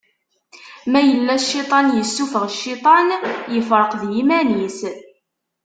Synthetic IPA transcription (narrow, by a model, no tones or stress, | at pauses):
mæjəlːæʃːit̪ˤɑnjəsːufəʁʃːit̪ˤɑnjəfɾˤəqðjimænis